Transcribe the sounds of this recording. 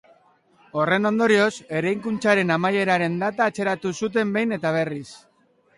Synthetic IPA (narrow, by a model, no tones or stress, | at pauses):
o̞re̞no̞nd̪o̞ɾio̞se̞ɾajŋkunt͡saɾe̞namaje̞ɾaɾe̞nd̪at̪aːt͡ʃe̞ɾat̪usut̪̬e̞mbe̞jne̞t̪aβ̞e̞ris